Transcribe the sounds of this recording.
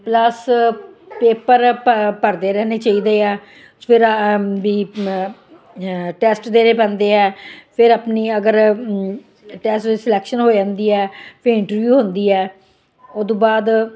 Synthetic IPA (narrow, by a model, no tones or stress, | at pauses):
pləs | peːpəɾpəɾd̪eːɾɛːneːt͡ʃaːiːd̪eːɛː | pʰɪɾbiː | ʈɛːsʈd̪eːɾeːpɛ̃ːnd̪eːɛːpʰɪɾaːpniːəɡəɾ | ʈɛːsʈːsɪlɛːkʃənɦoːd͡ʒãːnd̪iːɛːpʰeɪɳʈəɾʋjuːɦond̪iːɛː | oːd̪õːbaːd̪